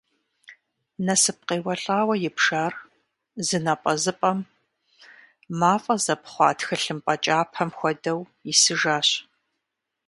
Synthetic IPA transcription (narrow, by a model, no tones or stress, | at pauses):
nɐsɨp̚qeːwɐɬʼaːwɐjɪpʂaːr | zɨnɐpʼɐzɨpʼɐm | maːfʼɐzɐpχʷɑːtxɐɬɨmpʼɐt͡ʃʼaːpʰɐmxʷɔdɐw | jɪsɨʒaːɕ